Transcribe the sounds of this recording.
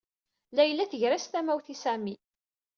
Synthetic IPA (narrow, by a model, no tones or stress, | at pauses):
læjlːæθəʝɾæst̪æmæwθisæmi